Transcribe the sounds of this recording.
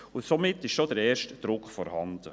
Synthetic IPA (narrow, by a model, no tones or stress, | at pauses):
ʊsomɪtːɪʃʃod̥əɾɛːɾʃtd̥ɾʊkχfɔɾhɑnd̥̪ə